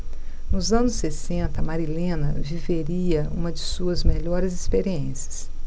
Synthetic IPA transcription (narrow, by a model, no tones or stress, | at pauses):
nʊzɐ̃nʊsːesẽnt̪ɐmaɾilẽnɐviveɾiɐṵ̃mɐd͡ʒɪsuɐzmeʎɔɾɪzɪspeɾiẽsɐ̥s